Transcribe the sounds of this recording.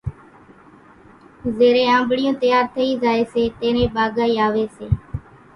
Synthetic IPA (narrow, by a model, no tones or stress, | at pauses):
zeːɾẽːãːmbɽɪjõːt̪əjaːɾt̪ʰəĩːzaːeːseːt̪ẽːɾẽːɓaːɡaːiːaːʋeːseː